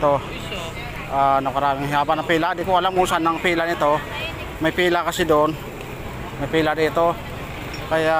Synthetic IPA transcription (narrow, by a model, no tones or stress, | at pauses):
t̪o | ʔanɐkɐɾaːmɪŋhɪhaːbanɐŋpiːlad̪ɪkoɐlamːʊsanːɐŋpiːlanɪt̪o̞ | mɐjpiːlakɐsɪd̪oʔon | mɐjpiːlad̪iːt̪o̞ | kɐja